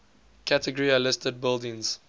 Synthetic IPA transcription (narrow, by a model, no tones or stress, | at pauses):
kʰætəɡɔɹiəlɪstəd̚bɪlˠdɪ̃ŋz̥